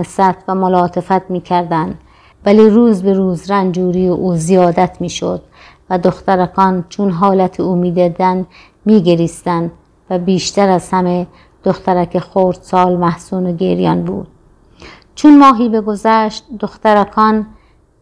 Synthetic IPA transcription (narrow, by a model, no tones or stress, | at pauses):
esæt̪ʰvæmolɒːt̪ʰefæt̪miːkʰæɾd̪ænd̪ | væliːɾuːzbeɾuːzɾænd͡ʒuːɾijʔuːzijɒːd̪æt̪ʰmiːʃo̰d̪ | væd̪oxt̪æɾækʰɒnt͡ʃʰunɦɒːlæt̪ʰiumiːd̪ed̪æn | miːɡeɾiːst̪ænd̪ | væbiːʃt̪æɾæz̥hæme | d̪̥oxt̪æɾækʰexoɾd̪sɒːlmæhsuːnoɡḛɾijɒ̰nbṵːd̪̥̚ | t͡ʃʰunmɒːɦiːbe̞ɡo̞zæʃt̪̚d̪oxt̪æɾækʰɒn